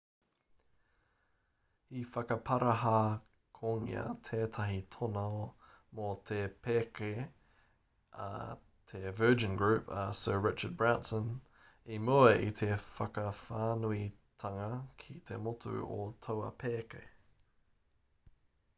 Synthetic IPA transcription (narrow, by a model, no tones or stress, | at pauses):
hifɐkɐpʰɐɾɐɦa | kʰoːŋḭɐ̰tʰeːt̪ʰɐɦit̪ʰono | mot̪ʰepʰeke | t̪ʰevɜːd͡ʒə̃nɡɹʉpə̰sɜ˞ɹɪt͡ʃə˞d̚bɹaʊ̃ntsə̃n | imoeʔit̪ʰefɐkəfaːnui | tʰɐŋɐkʰit̪ʰemotʰṵo̰t̪ʰowɐ̰pʰeːkḛ